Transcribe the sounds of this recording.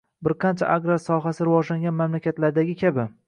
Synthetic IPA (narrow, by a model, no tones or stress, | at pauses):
bɪɾqʰɑnt͡ʃʰa̰ʔaɡɾasɒɦasɪɾɪvɒd͡ʒlaŋɡʲanmamlakʲat̪laɾd̪aɡʲɪkʲʰabɪ